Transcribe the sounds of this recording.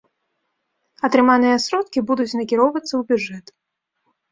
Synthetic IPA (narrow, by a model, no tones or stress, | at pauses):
ɐt̪ɾɨmanɨjɐsɾɔt̪kʲibud̪ut͡sʲnɐkʲiɾɔwvɐt̪sːɐwbʲudʐɛt̪